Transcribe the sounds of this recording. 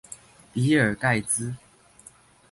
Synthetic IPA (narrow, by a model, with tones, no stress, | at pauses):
pi˨˦ə˞˨˩ka˥˨ɪt͡sɹ̩˦